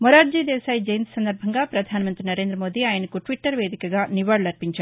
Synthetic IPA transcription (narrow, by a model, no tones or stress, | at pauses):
moɾaːʈd͡ʒiːd̪ɛːsaːjd͡ʒɐjɐnt̪sɐnd̪ɐɾbʱɐŋɡaːpɾɐd̪ʱaːnɐmɐnt̪ɾinɐɾe̞ːnd̪ɾɐmoːd̪iaːjɐnɐkuʈʋiʈːɐɾʋeːd̪ikɐɡaːniʋaːɽlɐɾpiɲt͡ʃaː